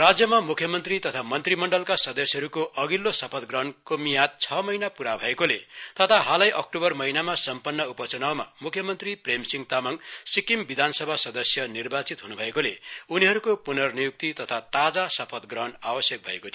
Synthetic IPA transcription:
rad͡zjʌmamukʰjʌmʌnt̪rit̪ʌt̪ʰamʌnt̪rimʌɳɖʌlkasʌd̪ʌsjʌɾukoʔʌɡilːosʌpʰʌt̪ɡrʌnkomijat̪̚t͡sʰʌmʌjnapuɾabʱʌekolet̪ʌt̪ʰaɦalʌjʔʌk̚ʈobʌrmʌinamasʌmpʌnːʌupʌt͡sʌnawma̰mukʰjʌmʌnt̪ripremsiŋt̪amʌŋsikimbid̪ʱansʌbʱasʌd̪ʌsjʌnirbat͡sit̪ɦunubʱʌekoleuniɦʌɾukopunʌrnijuk̚t̪it̪ʌt̪ʰat̪ad͡zasʌpʰʌt̪ɡrʌnawʌsjʌk̚bʱʌḛkot̪ʰ

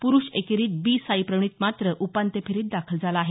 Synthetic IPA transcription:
puɾuːɕekeɾiːt̪̚biːsaipɾəɳ̃iːt̪mat̪ɾəʔupant̪epʰeɾiːt̪̚d̪akʰəld͡zalaːɦe

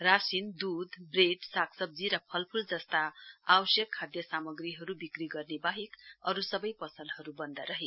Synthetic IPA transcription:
rasind̪ud̪breɖsakʰsʌb̚d͡ziɾʌpʰʌlpʰuld͡zʌst̪aawʌsjʌkʰːad̪jʌsamʌɡriɦʌɾubikriɡʌrnebaɦikʌɾusʌbʌjpʌsʌnd̪ɦʌɾubʌnd̪aɾʌɦe

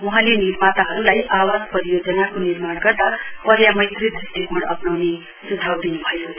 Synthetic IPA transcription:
uɦãleniɾmat̪aɦʌɾulajawaspʌɾijod͡zʌnakoniɾmaɽɡʌrd̪apʌɾjamʌjt̪rid̪rist̪iɡʱoɽʌpnawne | sud̪ʱawd̪inubʱʌjo

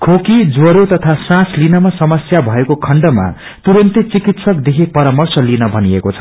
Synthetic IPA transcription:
kʰokid͡zoɾot̪ʌt̪ʰasãslinʌmasʌmʌsjabʱʌekokʰʌɳɖʌma̰ | t̪uɾʌnt̪it͡sikit̪sʌkd̪ekʰipʌɾamʌrsʌlinʌbʱʌniḛkot͡sʰʌ̥

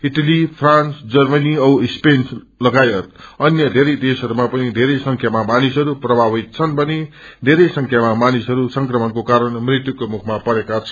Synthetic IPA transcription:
iʈalipʰrant͡sd͡zʌrmʌniʌspens | lʌɡajʌt̪ʌnjʌd̪ʱeɾʌjd̪esʌɾumapʌnid̪ʱeɾʌjsʌŋkʰjamamanisʌɾuprʌbʱabʌt̪̚t͡sʰʌnbʱʌni | d̪ʱeɾʌjsʌŋkʰjamamanisɦʌɾusʌŋkrʌmʌnkokaɾʌnmrit̪jukomukʰmapʌɾekat͡sʰʌ

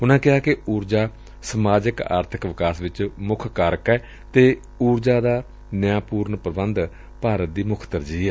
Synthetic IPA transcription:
ʊnãːkɪɦaːkɪuːɾd͡ʒaː | səmaːd͡ʒəka̰ːɾt̪ʰəkʋɪkaːsʋɪt͡ʃmʊkʰkaːɾəkɛː | t̪eː | uːɾd͡ʒaːd̪aː | nəjãːpuːɾnpɾəbənd̪ | paːɾət̪̚d̪iːmʊkʰt̪əɾd͡ʒiːɛː

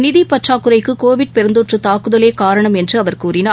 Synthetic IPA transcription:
nɪðipɐʈraːkːɯɾɐɪkːɯkoːʋɪʈ̚pɛɾɯnd̪oːʈrɯt̪aːkɯðɐleːkaːɾɐɳɐmɛndrɯɐʋɐɾkuːɾɪnaː

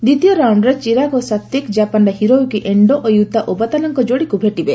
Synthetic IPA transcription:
d̪it̪ijɔɾawɳɖɾet͡ʃiɾakosat̪ːikd͡ʒapanɖaɦiɾowukiʔeɳɖɔʔɔjut̪aʔobat̪anɔŋkɔd͡ʒoɽikubʱeʈibe

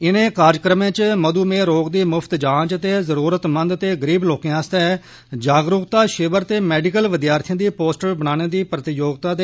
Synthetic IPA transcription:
ɪnẽːkaːɾjkɾəmẽːt͡ʃməd̪uːmẽːɾoːɡd̪iːmʊpʰt̪d͡ʒãːt͡ʃət̪eːzəɾuːɾət̪mə̃nd̪t̪eːɡəɾiːbloːkẽãːst̪ɛː | d͡ʒaːɡɾʊkt̪aːʃɪʋəɾt̪eːmɛːɖɪkəlʋɪd̪jaːɾt̪ʰɪjãːd̪iːpoːsʈəɾbənaːñeːd̪iːpɾət̪ɪjoːɡt̪aːd̪e

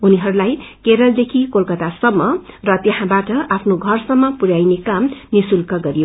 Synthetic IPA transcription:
uniɦʌɾulajkeɾʌld̪ekʰikolkʌt̪asʌmːʌrʌt̪jʌɦãbaʈʌʔapʰnoɡʱʌrsʌmːʌpuɾajnekamnisulkʌɡʌɾijo

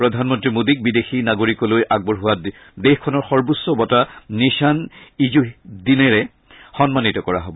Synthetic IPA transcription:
pɹɔd̪ʱanmɔntɹimodik̚bidexinaɡoɹikɔlojʔaɡ̚bɔɹɦʊwa | dexkʰɔnɔɹxɔɹbusːɔbɔtaniʃanizuɦdinɛɹɛ | xɔnmanitɔkɔɹa̰ɦɔbɔ

